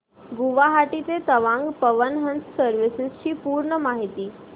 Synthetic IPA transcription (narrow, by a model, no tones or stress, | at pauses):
ɡuʋaɦaʈit͡s̪et̪əʋãŋɡpəʋənɦənt͡ssəɾʋisɪst͡ɕiːpuːɾɳəmaɦit̪iː